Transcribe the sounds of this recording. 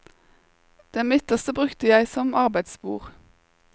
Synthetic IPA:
d̪̥ɛnmɪt̪əʁst̪əbʁʉkt̪əjæɪsɔmɑʁbæɪd̪sbṵːʁ

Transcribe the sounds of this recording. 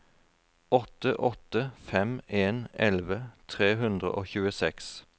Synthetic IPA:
ɔt̪əʔɔt̪əfɛmeːnʔɛlʋət̪ʰʁeːɦʉnd̪ʁə̰ʔoːçʉːəsɛks

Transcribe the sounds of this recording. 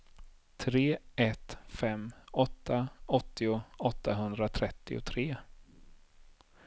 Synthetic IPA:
t̪ʰɾeːɛt̪fɛmːɔt̪ʰːaɔt̪ːɪʊɔt̪ːaɦɵnd̪ɾat̪ʰɾɛt̪ːɪ̰ʊ̰t̪ʰɾeː

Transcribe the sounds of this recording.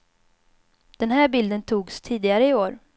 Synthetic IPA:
d̪̥ɛnɦæːɾbɪld̪ənt̪ʰuːɡst̪ʰiːd̪ɪɡaɾəɪoːɾ

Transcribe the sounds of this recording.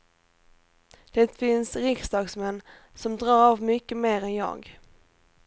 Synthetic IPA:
d̪̥ɛt̪fɪnsɾɪksd̪ɑːɡsmɛnː | sɔmd̪ɾɑːɾavmʏkːəmeːɾɛnjɑ̰ːɡ

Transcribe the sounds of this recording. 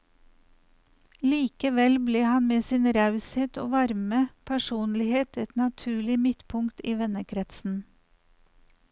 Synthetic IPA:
liːkəʋɛlbleːhɑnmeːsiːnɾɑʉseːt̪o̰ːʋɑɾməpʰæʃuːnlɪheːt̪ɛt̪nɑt̪ʰʉːɭɪmɪt̪pʰʊŋkt̪iːʋɛnəkʰɾɛt̪sn̩

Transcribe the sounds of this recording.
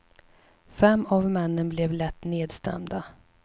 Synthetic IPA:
fɛmːavmɛnːənblɛvlɛt̪ːneːd̪st̪ɛ̰md̪a

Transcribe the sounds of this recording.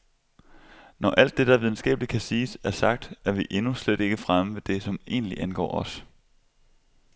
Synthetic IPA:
nɒʔæl̰d̥ːe̝d̥ɑʋiðˠn̩sɡ̥ɛ̰ːb̥əlid̥̚kʰæsiːsæɐsɑ̈ɡ̥̚d̥æɐʋiʔe̝nusleɾ̥e̝ɡ̥əfʁaməʋe̝d̥e̝sɒ̽me̝̰ːnliʔænɡ̥ɒ̰ːɒ̽s

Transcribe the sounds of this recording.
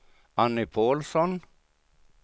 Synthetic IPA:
anːɪpʰoːlsɔn

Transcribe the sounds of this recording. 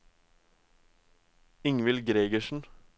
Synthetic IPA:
ɪŋʋɪlɡɾeːɡəʃn̩

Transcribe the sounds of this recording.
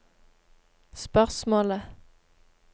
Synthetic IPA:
spœʁsmoːlə

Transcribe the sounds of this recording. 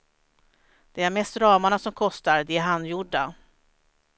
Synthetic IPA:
d̪̥ɛæɾmɛst̪ɾɑːmaɳasɔmkʰɔst̪aɾd̪ɛæɾɦanːjʊɖːa

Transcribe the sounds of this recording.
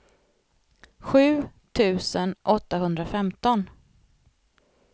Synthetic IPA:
ɧʉ̟ːt̪ʰʉ̟ːsənʔɔt̪ːahɵnd̪ɾafɛmt̪ɔn

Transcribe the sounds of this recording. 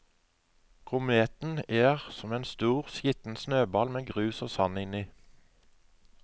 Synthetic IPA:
kʰʊmeːt̪n̩eːʁsɔmeːnst̪uːʁsjɪt̪n̩snøːbɑlmeːɡʁʉːsoːsɑnɪniː

